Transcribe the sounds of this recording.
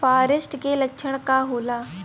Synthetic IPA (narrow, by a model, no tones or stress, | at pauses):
paːɾɪsʈkelɐkʃʰəɽ̃kaɦoːlaː